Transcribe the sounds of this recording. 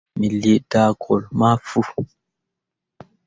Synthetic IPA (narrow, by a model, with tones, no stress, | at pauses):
mi˨li˦˨daː˦kʰɔ˨lma˦fu˦